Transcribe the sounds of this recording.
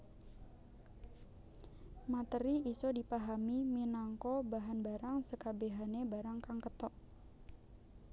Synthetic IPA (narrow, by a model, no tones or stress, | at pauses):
mat̪əɾiisodipaɦamiminaŋkɔbaɦanbaɾaŋsəkabeɦanebaɾaŋkaŋkət̪ɔʔ